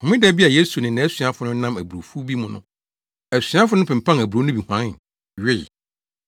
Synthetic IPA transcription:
ɔ̃˨mɪ̃˦dɛ˦bi˦a˨je˦su˨nɪ̃˨nã˨˦æ˦sɥa˦fʊ˨˦nʊ̃˦nã˦mæ˨bu˨ɾo˨fu˦bi˦mʊ̃˦nʊ̰̃˦ | æ˨sĩ˨˦ã˦fʊ˦ʊ̃˦pʰɪ̃˨m̩˨pʰã˦næ˨bu˨ɾo˦nʊ̃˦bi˨hã˨˦nɪ̃˨n˨ | ɥɪ˦˨

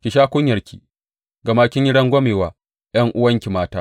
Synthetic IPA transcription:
kʲɪ˨ʃaː˦kʷʊ˦ɲjɐ˨rkʲʰi̥̰ː˨ | ɡɐ˨maː˦kʲɪ˦ɲji˦ɽɐ˦ŋɡʷɔ˦meː˨waː˨ | j̰ɐ˦ŋʔʊ˦wɐ˦ŋkʲi˨maː˦taː˦

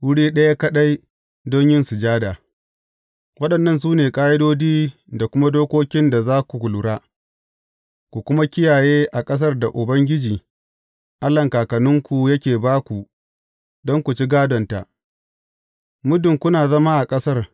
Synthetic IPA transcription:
wʊ˦ɽiː˦ɗɐ˦ja˦kɐ˦ɗa˦j | dɔ˦ɲjɪ˦nsʊ˨d͡ʒaː˦da˨ | wɐ˦ɗɐ˨nːɐ˦ns̬uː˦neː˨kʼaː˦jɪ˦doː˦d͡ʒiː˦ | da˨kʷʊ˦ma˦doː˦kʷoː˦kʲɪ˦nda˨zaː˦kʷu˨ɡʷʊ˨lʊ˨ɽaː˦ | kʷu˨kʷʊ˦ma˦kʲɪ˦jaː˨jeː˦ʔa˨kʼɐ˦s̬ɐ˦rda˨ʔʊ˨bɐ˦ŋɡʲɪ˦d͡ʒiː˨ | ʔa˦lːɐ˨ŋkaː˨kɐ˨nʊ˦ŋkʷu˨jɐ˦kʲeː˨baː˦kʷu˨ | dɔ˦ŋkʷu˨t͡ʃi˦ɡaː˦dɔ˨nta̰˨ʔ | mʊ˦dʊ˨ŋkʷʊ˦naː˨zɐ˦ma˦ʔa˨kʼɐ˦sɐ˦r

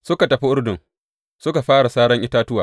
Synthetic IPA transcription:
sʊ˦ka˨tɐ˨ɸi˦ʔʊ˦ɽdʊ˨ŋ | sʊ˦ka˨ɸaː˦ɽa˨saː˦ɽɐ˦ŋʔɪ˦taː˦tʊ˦waː˨

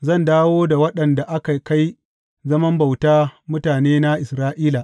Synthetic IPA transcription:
zɐ˦˨ndaː˦woː˦da˨wɐ˦ɗɐ˨nda˨ʔa˦ka˨ka˦j | zɐ˦mɐ˦mba˨wtaː˦mʊ˦taː˨neː˦na˦ʔɪ˨sɾaː˦ʔiː˦la˨ʔ

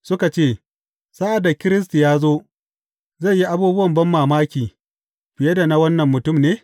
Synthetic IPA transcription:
sʊ˦ka˨t͡ʃeː˦˨ | saː˦ʔa˨da˨kʲɪ˦ɾɪ˦s̬ti˨jaː˦zoː˦ | za˦˨jji˦ʔa˦buː˦bʊ˦wɐ˨mbɐ˦mːaː˨maː˦kʲiː˨ | ɸɪ˨jɛ˦da˨na˨wɐ˦nːɐ˨mːʊ˨tʊ˦˨mneː˦

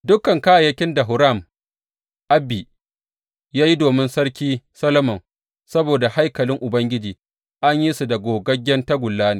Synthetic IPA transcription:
dʊ˦kːɐ˨ŋka˦ja˨jɐ˦kʲɪ˦nda˨ɦʊ˨ɾa˦˨m | ʔa˦bːi˨ | jaː˦ji˦doː˨mɪ˦nsɐ˦ɽkʲiː˦sɐ˦lɐ˦mɔ˨ŋ | sɐ˦boː˨da˨ha˦jkɐ˨lɪ˦ŋʔʊ˨bɐ˦ŋɡʲɪ˦d͡ʒiː˨ | ʔa˦ɲji˦su˨da˨ɡʷoː˨ɡɐ˦ɡʲːɛ˦nta˦ɡʷʊ˨lːaː˦neː˨

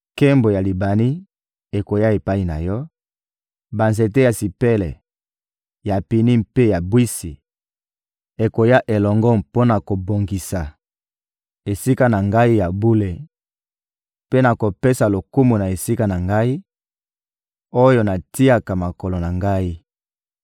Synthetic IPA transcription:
ke˦mbo˨ja˨li˨ba˨ni˦ | e˨ko˨ja˦e˨pa˦i˦na̰˨jɔ˦ | ba˨nze˨te˦ja˨si˨pe˦lɛ˨ | ja˨pi˨ni˦mpe˦ja˨bwi˦si˨ | e˨ko˨ja˦ʔe˨lɔ˨ŋɡɔ˦mpo˦na˨ko˨bo˨ŋɡi˨sa˨ | e˨si˦ka˦na˨ŋɡa˦i˦ja˨bu˦le˨ | pe˦na˨ko˨pe˦sa˨lo˨ku˦mu˨na˨e˨si˦ka˦na˨ŋɡa˦i˦ | o˦jo˦na˨ti˦a˦ka˨ma˨ko˨lo˨na˨ŋɡa˦i˦

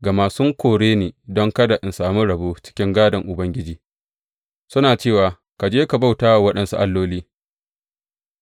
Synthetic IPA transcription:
ɡa˨maː˨sʊ˦ŋkʷoː˨ɽeː˦neː˨dɔ˦ŋkɐ˦da˨ʔɪ˨nsaː˨mʊ˦ɽɐ˨boː˦t͡ʃɪ̥˦kʲɪ˦ŋɡaː˦dɐ˨ŋʔʊ˨bɐ˦ŋɡʲɪ˦d͡ʒiː˨ | sʊ˦naː˨t͡ʃeː˦˨waː˨ | ka˨d͡ʒeː˦ka˨ba˦wtaː˦˨wɐ˦ɗɐ˨nsṵ˦ʔa˨lːoː˦liː˦

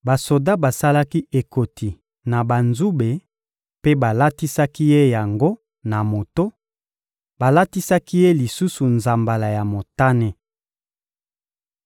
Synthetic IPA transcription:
ba˨so˨da˦ba˨sa˦la˦ki˦ʔe˨ko˨tʰi˨ | na˨ba˨nzu˦be˨ | pe˦ba˨la˦ti˦sa˦ki˦je˦ja˨ŋɡo˦ | na˨mo˨to˦ | ba˨la˦ti˦sa˦ki˦je˦li˨su˦su˨nza˨mba˨la˨ja˨mo˨ta˦ne˦

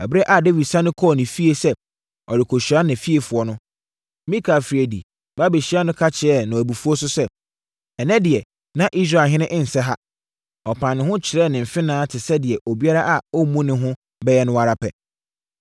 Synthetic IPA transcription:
æ˨bɾɛ˦ʔa˨de˦wi˨sã˦nʊ̃˦kʰɔ˦˨nɪ̃˨fi˦e˦sɛ˦ | ɔ˨dɪ˨kʰo˨ɕu˨a˦nã˨fi˦e˨fʊ˨ɔ˦nʊ̃˦ | mĩ˦kʰa˨fɾi˨æ˨dḭ˨ | ba˦be˨ɕi˦a˦nʊ̃˦kʰa˦t͡ɕʰɪ˨ɛ˦nã˨æ˨bu˨fu˦ɔ˦sʊ˦sɛ˦ | ɛ˨nɛ̃˦dɪ˨ɛ˨ | nã˦ʔi˦s̬ɾa˨ɦɪ̃˦nɪ̃˦ʔɪ̃˦n̩˨sɛ˦ɦa˦ | ɔ˨pʰã˨nːɪ̃˦ɦʊ̃˦t͡ɕʰɪ˨ɾɛ˦˨nɪ̃˨m̩˨fɪ̃˦nãː˦tʰɪ˨sɛ˦dɪ˨ɛ˨ʔo˨bi˦a˦ɾa˦ʔa˨ɔ˦mũ˦nɪ̃˦ɦʊ̃˦ | bɛ˦jɛ˦nʊ̃˦wa˦ɾa˦pʰɛ̰˨

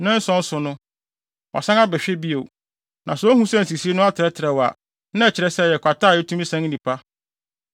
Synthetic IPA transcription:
nɪ̃˦n̩˦sɔ̃˦n̩˦sʊ˨nʊ̃˦ | ʔɔ̰˨sã˦ŋa˦bɛ˨ɕᶣɛ˦bi˦o˨ | nã˨sɔ˨˦hũ˦sã˦˨n̩˨s̬i˨si˦e˦nʊ̃˦a˦tʰɪ˨ɾɛ˦tʰɪ˨ɾɛ˨wa̰˨ | nã˦ɛ˨t͡ɕʰɪ˨ɾɛ˦sɛ˦jɛ˨kʷʰa˨tʰaː˦˨jɛ˦tʰũ˦mĩ˦sã˦ŋ˦nĩ˨pʰa˦

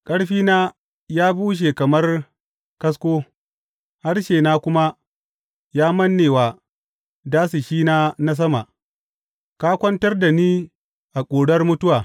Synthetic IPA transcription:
kʼɐ˦ɽɸiː˦naː˦ | jaː˦buː˦ʃ̬eː˨kɐ˨mɐ˦r | kɐ˦s̬kʷoː˦ | ha˦rʃeː˨naː˦kʷʊ˦ma˦ | jaː˦mɐ˦nːeː˨waː˨ | daː˦si˨ʃiː˦naː˦na˦s̬ɐ˦ma˨ʔ | kaː˦kʷɐ˦ntɐ˦rda˨niː˦ | ʔa˨kʷʼoː˨ɽɐ˦rmʊ˦tʊ˦waː˨

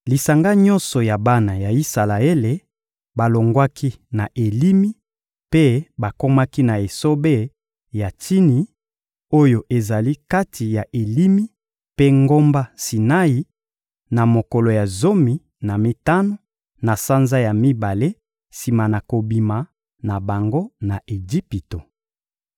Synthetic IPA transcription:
li˨sa˨ŋɡa˦ɲɔ̃˦nsɔ˨ja˨ba˦na˨ja˨i˦sa˨la˨e˦le˨ | ba˨lo˨ŋɡwa˦kʰi˦na˨ʔe˨li˦mi˦ | pe˦ba˨ko˦ma˦ki˦na˨e˨so˦be˦ | ja˨ti˦ni˨ | o˦jo˨ʔe˨za˨li˦ka˦tʰi˨ja˨ʔe˨li˦mi˦ | pe˦ŋɡo˦mba˦si˨na˦i˨ | na˨mo˨ko˨lo˨ja˨zo˦mi˨ | na˨mi˨ta˦no˦ | na˨sa˦nza˦ja˨mi˦ba˨le˦ | si˨ma˨na˨ko˨bi˨ma˨ | na˨ba˨ŋɡo˦na˨ʔe˨d͡ʒi˦pi˨to˨

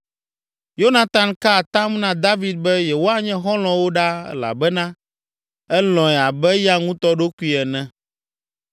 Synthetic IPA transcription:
jo˦nã˨t̪a˨nka˦˨t̪ã˦mnã˦d̪a˦vi˨d̪̚bɛ˦jɛ˨wo˦a˦ɲɛ̃˦ɦɔ̃˦l̃ɔ̃˨wo˦ɖa˦ɛ̰˦la̰˨bɛ˦nã˦ | ɛ˦lɔ̃˨ɛ˨a˨bɛ˦ja˦ŋũ˦t̪ɔ˦ɖo˦ku˦i˦ɛ˨nɛ̃˨

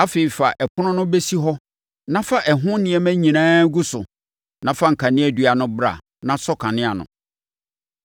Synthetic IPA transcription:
a˦fe˨i˨fa˨ʔɛ˨kʰʊ˦nʊ̃˦nʊ̃˦be˦si˦ɦɔ˦ | nã˦fa˦ʔɛ˨ɦʊ̃˦nɪ̃˨ɛ˦mæ̃˦ɲĩ˨nãː˦ɡu˦sʊ˨ | nã˨fa˦ŋ̩˨kʰa˨nɪ̃˦æ˨dɥa˨nʊ̃˦bɾa̰˨ | nã˦sɔ˦kʰã˨nɪ̃˦a˨nʊ̰̃˨

